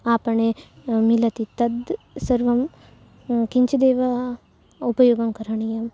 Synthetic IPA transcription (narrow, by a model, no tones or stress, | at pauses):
aːpɐɳemilɐt̪it̪ɐd̪ | sɐɾʋɐm | kiɲt͡ʃɐd̪eːʋɐ | upɐjoːɡɐmkɐɾɐɳijɐm